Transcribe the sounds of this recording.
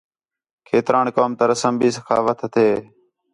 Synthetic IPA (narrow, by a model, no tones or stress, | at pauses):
kʰeːt̪ɾaːnkoːmt̪əɾəsəmbiːsəkʰaːʋət̪ʰt̪ʰeː